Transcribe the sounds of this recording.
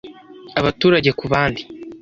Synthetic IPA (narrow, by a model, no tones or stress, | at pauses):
aβatuːɾaɟe̞kuβaːndi